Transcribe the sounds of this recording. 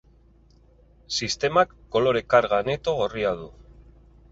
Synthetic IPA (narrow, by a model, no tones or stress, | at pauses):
sist̪e̞makːo̞lo̞ɾe̞kaɾɣane̞t̪o̞ɣo̞riaðu